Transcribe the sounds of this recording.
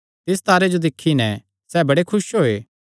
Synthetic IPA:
t̪ɪs̬t̪aːɾed͡ʒod̪ɪkʰːinɛ̃ | sɛːbɐɽekʰʊʃɦoeː

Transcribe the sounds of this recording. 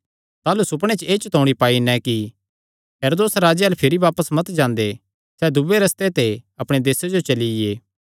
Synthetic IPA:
t̪aːlusʊpɽ̃et͡ʃeːt͡ʃt̪ʰõːɽ̃ipaːinɛ̃ki | ɦeːɾoːd̪oːsɾaːd͡ʒeɐlpʰɪɾiʋaːpəsmɐt̪d͡ʒãːnd̪e | sɛd̪ubeɾɐst̪et̪eɐpɽ̃ed̪eːsed͡ʒot͡ʃɐlieː

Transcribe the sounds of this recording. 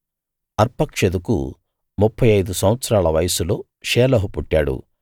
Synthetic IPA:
ɐɾpɐkʂed̪ukṵ | mupʰːɐjɐjd̪usɐmʋɐt̪sɐɾaːɭɐʋɐjɐsulo̞ː | ʃeːlɐːɦupuʈːaːɽṵ

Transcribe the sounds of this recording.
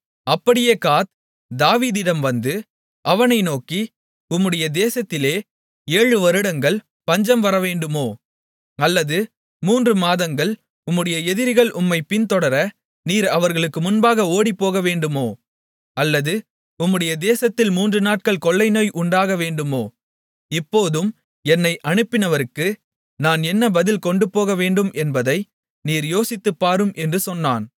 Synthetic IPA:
ɐpːɐɽɪjeːkaːt̪̚ | d̪aːʋiːðɪɽɐmʋɐnd̪ɯ | ʔɐʋɐnɐɪnoːki | ʊmːɯɽɐjɐd̪eːsɐt̪ːɪleː | eːɻɯʋɐɾɯɽɐŋɡɐɭ | pɐɲd͡ʒɐmʋɐɾɐʋeːɳɖɯmoː | ɐlːɐðɯ | muːndrɯmaːðɐŋɡɐɭ | ʊmːɯɽɐjɐɛðɪɾɣɐɭʔʊmːɐɪpːɪnt̪ɔɽɐɾɐ | niːɾɐʋɐɾɣɐɭɯkːɯmʊnbaːɣɐoːɽipːoːɣɐʋeːɳɖɯmoː | ɐlːɐðɯ | ʊmːɯɽɐjɐd̪eːsɐt̪ːɪlmuːndrɯnaːʈ̚kɐɭkɔɭːɐɪnoːjʔʊɳɖaːɣɐʋeːɳɖɯmoː | ɪpːoːðɯm | ɛnːɐɪʔɐɳɯpːɪnɐʋɐɾɯkːɯ | naːnɛnːɐbɐðɪlkɔɳɖɯpːoːɣɐʋeːɳɖɯmɛnbɐðɐɪ | niːɾjoːsɪt̪ːɯpːaːɾɯmʔɛndrɯsɔnːaːn

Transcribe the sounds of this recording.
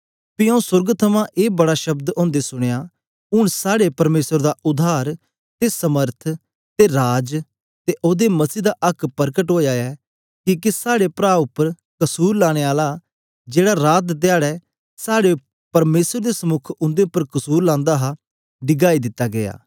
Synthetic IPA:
piãʊ̃sʊɾɡt̪ʰəmãʔeːbəɽaʃɐbd̪ɔ̃ːnd̪esʊɽ̃ejaː | ʊɳ̃saːɽepɐɾmeːsəɾd̪aʔʊd̪ʱaːɾ | t̪esəməɾt̪ʰ | t̪eɾaːd͡ʒ | t̪eʔoːd̪emɐsiːd̪aʔɐkʰpəɾkəʈɦoːjaɛː | kiːkisaːɽepɾaːʊpːəɾ | kɐsuːɾlaːɽ̃eːaːla | d͡ʒeːɽaɾaːt̪t̪ɪaːɽɛː | saːɽe | pɐɾmeːsəɾd̪esəmʊkʰʊ̃nd̪eʊpːəɾkəsuːɾlãːnd̪aːɦa | ɖɪɡaːid̪ɪt̪ːaːɡɪja̰ː

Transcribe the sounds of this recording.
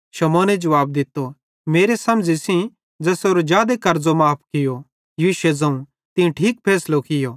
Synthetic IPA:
ʃɐmɔːned͡ʒɐʋaːb̚d̪ɪt̪ːo | meːɾesɐ̃md͡zisĩ | d͡zɛːsoːɾod͡ʒjaːd̪ekɐɾd͡zomaːp̚ʰkɪjo | jiʃed͡zɐ̃ũ | t̪ɪũʈʰiːk̚pʰɛːslokɪjoː

